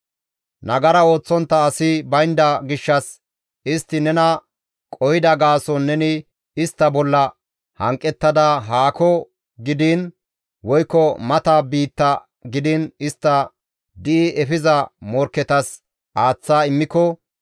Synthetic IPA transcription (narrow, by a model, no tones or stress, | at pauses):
nɐɡɐɾɐo̞ːt͡sːɔnt̪ːɐːɐsɪbɐjnd̪ɐɡɪʃːɐs | ɪst̪ːɪnɛnɐ | kʼɔhɪd̪ɐɡaːsɔnːɛnɪ | ɪst̪ːɐbɔlːɐ | hɐŋkʼːɛt̪ːɐd̪ɐɦaːkɔ | ɡɪd̪ɪn | wɔjkːɔmɐt̪aːbiːt̪ːɐ | ɡɪd̪ɪnɪst̪ːɐ | d̪ɪʔɪʔɛfɪzɐmɔɾkːɛt̪ɐs | ʔaːt͡sːaːɪmːɪkɔ